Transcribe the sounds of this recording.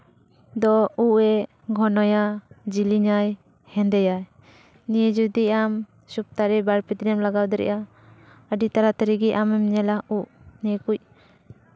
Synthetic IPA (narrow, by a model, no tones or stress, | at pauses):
d̪ɔuʔɛ | ɡʱɔnɔjad͡ʒiliɲaj | hɛnd̪ɛjaj | nid͡ʒud̪iam | sup̚t̪aɾɛbaɾpid̪ɾɛmlaɡawd̪ɛɾɛ̰ʔa | adit̪aɾat̪aɾiɡiʔamɛmɲɛlauʔ | nɛkuc̚